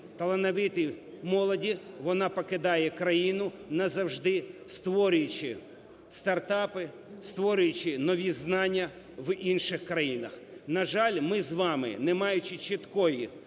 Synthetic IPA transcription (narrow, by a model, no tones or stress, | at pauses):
t̪ɐlˠɐnɐʋɪt̪ɪ | mɔlˠɔdʲi | ʋɔnɑpɔkɪd̪ɑjɛkɾɐjinʊnɐzɐwʒd̪ɪst̪ʋɔɾʲʊjʊt͡ʃɪ | st̪ɐrt̪ɑpɪ | st̪ʋɔɾʲʊjʊt͡ʃɪnɔʋʲiznɑnʲːɐ | ʋinʃɪxkɾɐjinɐx | nɐʒɑlʲmɪzʋɑmɪ̰nɛmɑjʊt͡ʃɪt͡ʃɪt̪kɔji